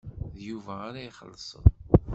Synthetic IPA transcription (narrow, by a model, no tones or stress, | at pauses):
ðjuvæːɾaiχə̰lːsˤə̰n